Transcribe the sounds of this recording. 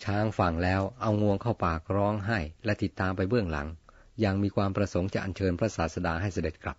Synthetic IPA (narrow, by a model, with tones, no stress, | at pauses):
t͡ɕʰaː˦˧˥ŋfa˨˩ŋlɛː˦˥wʔa˧wŋu˧əŋkʰa˥˩wpaː˧˨˩k̚ɾɔː˦˥ŋɦa˥˩jlɛ˦˥t̪i˨˩t̪ːaː˧mpa˧jbɯ˥˩əŋla̰˩˦ŋ | ja˨˩ŋmiː˧kʰwaː˧mpɾa˧so˩˦ŋt͡ɕa˨˩ʔa˧nt͡ɕʰɤː˧npʰɾa˦˥saː˩˦t̪sa˧daː˧ɦa˥˩jsa˧de˨˩t̪̚kʰɾa˦˥p̚